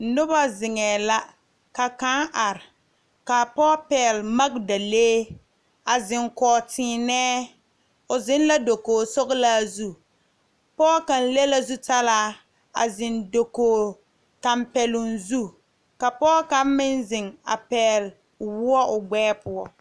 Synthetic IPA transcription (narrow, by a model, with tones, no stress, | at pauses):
nʊ˦ba˦zɪ˨ŋɛː˨la˦ | ka˨ka˦ŋʔa˨ɾɪ˨ | ka˨pɔː˦pɛː˨lma˦ɡ̚da˨leː˦ | a˨zɪ˨ŋkɔː˨tɪː˨˦nɛː˦ | ʊ˨zɪ˦n˦la˦do˨koː˨sɔ˦ɣʊ˦la˦zu˦ | pɔː˦ka˨n̩˦le˦la˦zu˦ta˦laː˦ | a̰˨zɪ˨ndo˨koː˨ | ta˨mpɛ˨lʊ˨nzu˦ | ka˨pɔː˦ka˦mɪ˦nzɪ˨ŋa̰˨pɛː˨l | wʊ˦ɔ˦ʔʊ˨ɡ͡bɛː˦pʊ˦ɔ˨